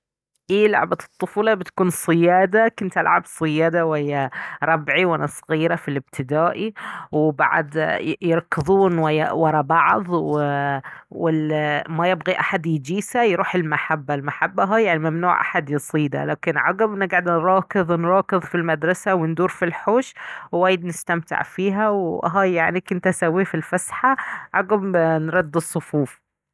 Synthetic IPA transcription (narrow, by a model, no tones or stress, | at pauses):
ʔeːlʊ̰ʕbat̪ˤːʊfuːlɑbɪt̪ḁkuːnsˤɨjaːd̪akʊnt̪ʔa̰lʕa̰bsˤɨjaːd̪awhɪjːaɾˤɑbʕiwʔalasˤɣiːɾafilɪb̚t̪ʰɪd̪aːʔiwɪba̰ʕa̰d̪jɪɾˤkːɨðˤuːnwɪwɑɾˤɑbɑʕðˤwɪ | wɪlmæjɪbɣiʔaħad̪jɪd͡ʒiːsajɾuːħɪlmaħabːalmaħabːaɦajaʕnimamnṵːʕʔa̰ħad̪jɨsˤiːd̪a̰la̰ːkɪnʕɑɡabʔɪnːɪɡʕd̪ɾˤɑːkɨðˤnɾˤɑːkɨðˤfilmad̪ɾˤɑsawɪnd̪uːɾfilħoːʃwwaːjɪd̪nɪst̪amt̪ɪ̰ʕfiːɦæwʔɦaːjaʕnikɪnt̪asawːiːfilfasħaʕɑɡabnɾˤɑd̪ːɨsˤːʊfuːf